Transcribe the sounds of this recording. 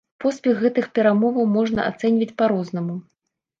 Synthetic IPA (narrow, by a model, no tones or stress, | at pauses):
pɔspʲɛxɣɛt̪ɨxpʲɛɾamɔvɐwmɔʐnɐ̰ʔa̰t̪sɛnʲvʲɐt͡sʲpaɾɔznɐmu